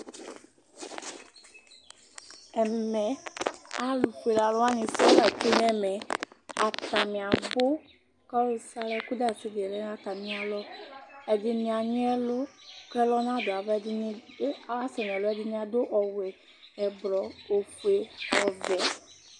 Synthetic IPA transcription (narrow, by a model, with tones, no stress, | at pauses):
ɛ˨mɛ˨a˨lu˨fe˨la˨lʊ˦a˦ɲɪ̃˨sɔ˦la˨ke˦n˦ɛ˦mɛ˨a˨ta˨mɪ̃˨a˨bʊ˦ | kɔ˦lo˦sa˦lɛ˦ku˦da˦˨t͡ʃʊ˦dɛ˨lɛ˦n˦a˦t̪a˨mĩ˦a˨lɔ˦ɛ˨dɪ˦nĩ˨a˨ɲʊ̃˦ɛ˦lʊ˦klɛ˦lɔ˦nã˦do˨a˨vɛ˦a˦sɛ˨ñ˨ɛ˨lʊ˦ɛ˦dɪ˦ɲĩ˦a˨do˦ʔɔ˨wɛ˨ | ɛ˨blɔ˨o˨fu˨e˨˦ɔ˨vɛ˨˦